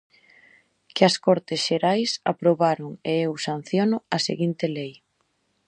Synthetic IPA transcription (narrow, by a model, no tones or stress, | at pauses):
kɪɐskɔɾt̪ɪsʃeɾajsa̰pɾoβaɾʊŋeewsan̟θjonʊɐsḛɣint̪ɪlej